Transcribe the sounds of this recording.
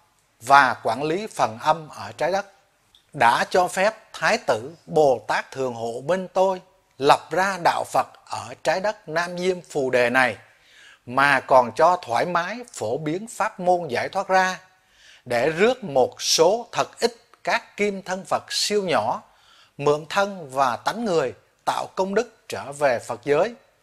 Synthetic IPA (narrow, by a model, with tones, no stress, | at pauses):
vaː˨˩kwaː˧˩nli˨˦fə˨˩nʔə˧mʔəː˧˩t͡ɕaː˨˦jɗə˦˥t̚ | ɗa̰ː˧˥t͡ɕɔ˧fɛ˦˥p̚t̪ʰaː˨˦jt̪ɨ˧˩˨ɓo˨˩t̪aː˦˥k̚t̪ʰɨ˨˩əŋɦo̰˧˨mi˧ŋ̟t̪o˧j | lə˨˩p̚zaː˧ɗa̰ː˧˨wfə˨˩t̚ʔəː˧˩t͡ɕaː˨˦jɗə˦˥t̚naː˧mzi˧əmfu˨˩ɗe˨˩na˨˩j | maː˨˩kɔ˨˩nt͡ɕɔ˧t̪ʰwaː˧˩jmaː˨˦jfo˧˩ɓi˨˦ənfaː˦˥t̚mo˧nzaː˧˩jt̪ʰwaː˦˥t̚zaː˧ | ɗe˧˩zɨ˦˥ək̚mo˨˩t̚so˨˦t̪ʰə˨˩t̚ʔï˦˥k̟̚kaː˦˥kːi˧mt̪ʰə˧nfə˨˩t̚si˧əwɲɔ˧˩ | mɨ̰˧˨əŋt̪ʰə˧nvaː˨˩t̪a˨˦jŋŋɨ˨˩əj | t̪a̰ː˧˨wkə˧wŋ͡mɗɨ˦˥k̚t͡ɕəː˧˩ve˨˩fə˨˩t̚zəː˨˦j